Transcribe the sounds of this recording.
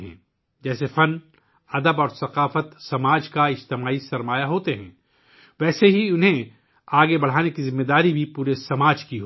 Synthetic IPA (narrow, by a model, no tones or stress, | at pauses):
ɦɛ̰̃ː | d͡ʒɛːsefɐ̃n | ɐd̪əbɔːɾsɐqaːfət̪sɐmaːd͡ʒkaɪd͡ʒt̪ɪmaːisɐɾmaːjaɦoːt̪eɦɛ̃ː | ʋɛːseɦiʊnɦẽ | aːɡebɐɽ̤aːnekizɪmːed̪aːɾibʱipuːɾesɐmaːd͡ʒkiɦo